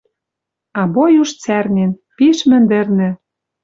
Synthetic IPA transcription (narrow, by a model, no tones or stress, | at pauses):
ɑbojuʃt͡særnʲen | piʃmɘ̆nd̪ɘ̆rnɘ̆